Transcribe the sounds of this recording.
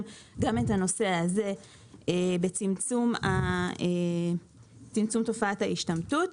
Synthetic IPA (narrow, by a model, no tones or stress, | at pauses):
ɡamethano̞se̞haze̞ | ebet͡simt͡sumae | t͡simt͡sumto̞faathaiʃtamtut